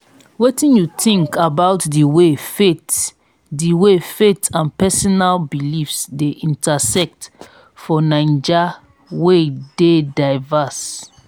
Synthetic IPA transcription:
wetĩnjutĩŋkabaʊtdiwefet | diwefetãnpɛsɔnalbilifsdeʔĩntasɛk̚t | fɔnãɪ̃nd͡ʒa | wededaɪvas

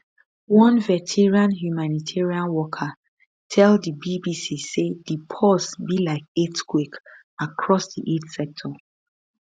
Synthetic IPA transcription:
wɔ̃nvɛtʰɛɹiãnɦjumanitʰɛɹiãnwɔkʰa | tʰɛldibibisisedipʰɔsbilaɪk̚etkwek | akʰɹɔsdiʔedsɛk̚tʰɔ

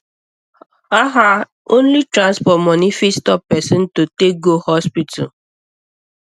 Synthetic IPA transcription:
aɦa | õnlitɾãnspɔtmɔnifistɔppɛsɪ̃n̩totek̚ɡohɔspitʰa̰

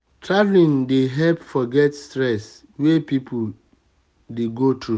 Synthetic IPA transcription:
tɾavlĩndeɦɛlpfɔɡɛtstɾɛs | wepipʰʊ | deɡotɾu

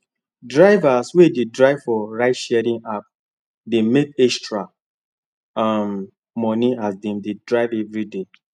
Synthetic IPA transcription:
dɹaɪvaswededɹaɪv̥fɔɹaɪtʃɛɾĩŋap̚ | demetɛstɹa | am | mɔnĩasbĩndedɹaɪvɛvɹide

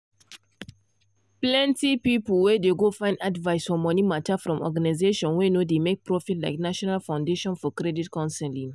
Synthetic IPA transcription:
plɛ̃ntipipulwɛdeɡofãɪ̃ndadvaɪsfɔmɔnimatafɹɔ̃mɔ̰ɡanaɪzeʃɔ̃nwenodemek̚pɹɔfitlaɪknaʃɔnalfãʊ̃ndeʃɔ̃nfɔkɾɛditkɔ̃nsɛlĩŋ

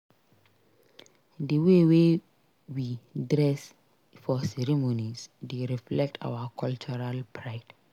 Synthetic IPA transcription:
dəwewe | widɹɛs | fɔsɛɹimonisdeɹiflɛk̚tʰa̰wakʰɔlt͡ʃuɹalpʰɹaɪd

